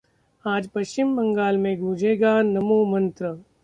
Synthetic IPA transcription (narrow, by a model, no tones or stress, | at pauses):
aːd͡ʒpɐʃt͡ʃɪmbɐ̃ŋɡaːlmẽɡʱũːd͡ʒeːɡanɐmoːmɐ̃nt̪ɾə